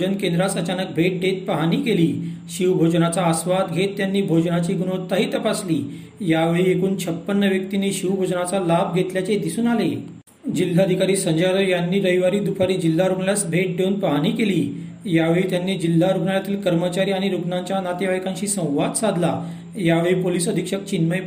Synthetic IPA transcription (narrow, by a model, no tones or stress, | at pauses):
ənkend̪ɾat͡sət͡ɕanək̚bʱeʈ̚ɖet̪̚pəɦaniːkeliː | ɕiwbʱod͡ʑnat͡saəsʋat̪ɡʱet̪ːjanːiːbʱod͡ʑnat͡ɕiːɡunot̪ːaɦiːt̪əpasliː | jaʋəɭiekuːnt͡ɕʰəpːənːəʋjək̚t̪iniːɕiʋbʱod͡ʑnat͡salabɡʱet̪ljat͡sed̪isuːnale | d͡ʑil̤ːaəd̪ʱikaɾiːsəɲd͡ʑaɾəjanːiːɾəiʋaɾiːd̪upʰaɾiːd͡ʑil̤ːaɾuɡɳljasbʱeʈ̚d̪euːnpəɦaniːkeliː | jaʋeɭiːt̪janːiːd͡ʑil̤ːaɾuɡɳaɭjat̪iːlkəɾmət͡ɕaɾiaɽ̃iɾukɳaɲt͡ɕjanat̪eʋajkãnɕiːsə̃w̃ʋat̪sad̪ʱla | jaʋeɭiːpoliːsəd̪ʱikʂək̚t͡ɕinməj